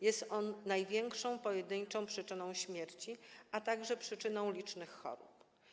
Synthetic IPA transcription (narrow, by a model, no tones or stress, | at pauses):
jɛst̪ɔnːajvʲjɛŋkʂɔ̃w̃pɔjɛd̪ɘɲt͡ʂɔ̃w̃pʂɘt͡ʂɘnɔ̃w̃ɕmʲjɛɾt͡ɕiat̪aɡʐɛpʂɘt͡ʂɘnɔ̃w̃lʲit͡ʂnɘxːɔ̰ɾṵp